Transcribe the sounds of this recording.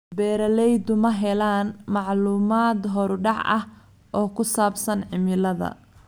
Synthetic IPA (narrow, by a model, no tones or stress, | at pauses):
bɛːɾɐlɛjd̪ʊmɐɦɛlaːnmɑʕluːmaːd̪ɦɔɾɖɑʕʔɐh | ʔɔːkʰʊsaːbsɐnʕɪmɪlɐðɐ̰